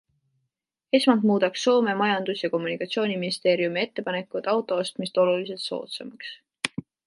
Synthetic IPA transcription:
e̞smɑnd̪muːd̪̥ɑkso̞ːme̞mɑjɑnd̪̥usjɑko̞mːunikˑɑt̪ʲsio̞ːnʲiminist̪e̞ːɾiumie̞t̪ːe̞pɑne̞kːˑud̪̥ɑwt̪ːˑo̞ost̪mist̪o̞lulis̬e̞lt̪so̞̰ːt̪semɑks

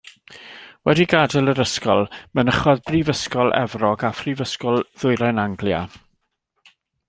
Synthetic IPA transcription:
wɛdiɡadəlˠəɾəskɔlˠmənəχɔðbrivəskɔlˠʔɛ̰vrɔɡafrivəskɔlˠð̥ʊɨɾanaŋɡlja̰

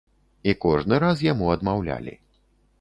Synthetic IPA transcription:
ikɔʐnɨɾas̬jamuɐd̪mawlʲa̰lʲḭ

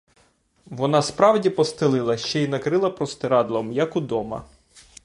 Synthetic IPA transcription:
ʋɔnɑspɾɑwdʲipɔst̪ɪlˠɪlˠɐʃt͡ʃɛinɐkɾɪlˠɐpɾɔst̪eɾɑd̪lˠɔmjɐkud̪ɔmɐ̰

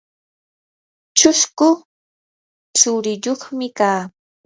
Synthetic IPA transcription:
t͡ʃʊʃkʊ | t͡sʊɾɪʎoχmɪkaː

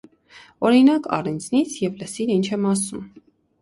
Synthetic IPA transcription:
ɔɾinɑkɑ̰rɛnd͡znit͡sʰjɛvləsiɾint͡ʃʰɛmɑsum

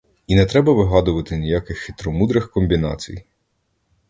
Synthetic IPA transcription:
inɛt̪ɾɛbɐʋɪɦɑd̪ʊʋɐt̪ɪnʲijakɪxːɪt̪ɾɔmud̪ɾɪxkɔmʲbʲinɑ̰t͡sʲḭj

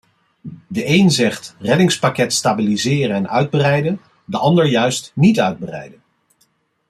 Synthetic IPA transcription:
dəʔejnzɛχtrɛdɪŋspakɛtstaːbilizɪːrənɛnœ̰ɥd̚bərɛjdən | dəʔɑndəɹjœɥstnitœɥd̚bərɛ̰jdən

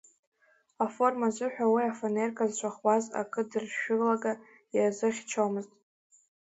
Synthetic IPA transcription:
afo̞rmazʷɨħʷᶣawiafonerkʰʼazt͡ʃʷʰaχwaza̰kʰʼɨdɨrʃʊɡlaɡa | jazɨχʲt͡ʃʰawmɨztʼ

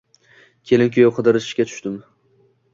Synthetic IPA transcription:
kʲʰe̞lɪmkʲʰojoqʰɨd̪ɨɾɪʃɪ̥ʃkʲat̪ʰʊ̥ʃt̪ɪm

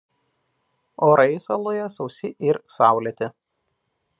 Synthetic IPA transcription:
oːɾɐɪsɐlˠojɛsɒʊsʲɪʔɪɾsɑˑʊlʲet̪ʲɪ

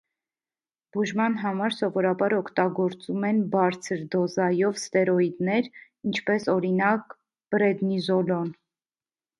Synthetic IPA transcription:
b̥uʒmɑnɦɑmɑɾsɔvɔɾɑbɑɾɔkʰt̪ɑɡɔɾt͡sumɛnbɑɾt͡sʰəɾd̪ɔzɑjɔvst̪ɛɾɔid̪nɛɾ | int͡ʃʰpɛsɔɾinɑk | b̥ɾɛd̪nizɔlɔn

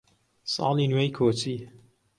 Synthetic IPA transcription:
sɑ̰ːlinwejkʰoːt͡si

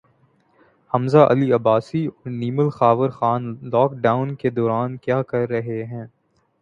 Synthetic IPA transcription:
hɐmzaʔɐ̰liɐbaːsiɔːɾniːməlxaːʋəɾxaːnlɔːkɖaːʊnked̪ɔːɾaːnkjaːkɐɾːɐɦeɦɛ̃ː

